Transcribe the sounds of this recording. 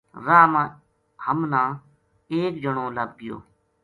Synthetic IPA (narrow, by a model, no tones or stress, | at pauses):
ɾaːmãː | həmnãː | eːk̚d͡ʒəɳõːləb̚ɡɪjo̰ː